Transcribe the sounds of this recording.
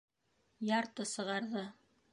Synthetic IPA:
jɑɾt̪ɤsɤ̆ʁɑɾðɤ

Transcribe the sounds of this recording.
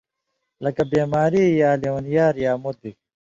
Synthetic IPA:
lɐkɐbeːmaːɾiːjaːliwɐnjaːɾjaːmud̪̚i

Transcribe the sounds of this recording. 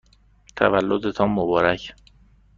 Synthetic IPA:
t̪ʰævælːod̪et̪ʰɒːmːobɒːɾæcʰ

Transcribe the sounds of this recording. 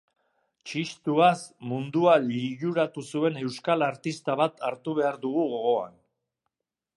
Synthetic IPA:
t͡ʃist̪uasmund̪ualiʝuɾat̪usue̞ne̞wskalaɾt̪ist̪aβat̪ʰaɾt̪uβ̞e̞aɾðuɣ̞uɣo̞ɣo̞a̰n

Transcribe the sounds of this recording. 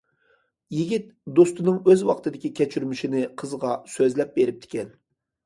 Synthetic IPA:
jiɡʲit̪d̪ost̪unɨŋøzwɑqt̪ʰɨd̪ɪkʲikʲʰɛt͡ʃʰyɾmiʃinɪqʰəzʁɑsøzlɛp̚beɾɪp̚t̪ʰɪ̥kʲʰɛn

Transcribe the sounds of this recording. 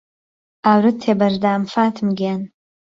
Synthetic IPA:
awrɨtʰːebardaːmfatʰmɡʲan

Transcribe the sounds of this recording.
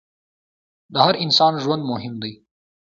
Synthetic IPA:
d̪əɦaɾɪnsɑːnʒwɐnd̪mʊɦɪmd̪aj

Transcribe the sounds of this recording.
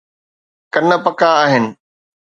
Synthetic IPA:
kɐnə̆pɐkaːɦɪnɪ̆

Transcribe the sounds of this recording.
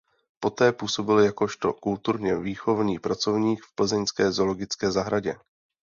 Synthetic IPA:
po̞t̪ɛːpuːso̞bɪljako̞ʃt̪o̞kult̪uɾɲɛviːxo̞vɲiːpɾat͡so̞vɲiːkfpl̩zɛɲskɛːzo̞lo̞ɡɪt͡skɛːzaɦɾaɟɛ̰

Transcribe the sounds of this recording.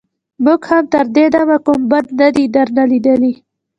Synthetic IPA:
muɡhamt̪əɾd̪ed̪amakumbad̪nad̪id̪aɾnalid̪əli

